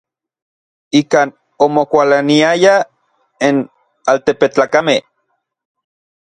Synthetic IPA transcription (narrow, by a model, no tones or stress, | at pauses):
ikaːn | omokʷalaniaja | en | alt̪epet͡ɬaːkameh